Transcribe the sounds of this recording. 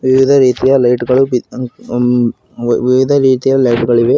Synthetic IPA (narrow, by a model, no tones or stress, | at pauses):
ʋɪʋɪðɐɾiːt̪ɪjalɐɪʈɡɐɭɯʋ | ʋɪʋɪðɐɾiːt̪ɪjalɐɪʈɯɡɐɭɯʋeː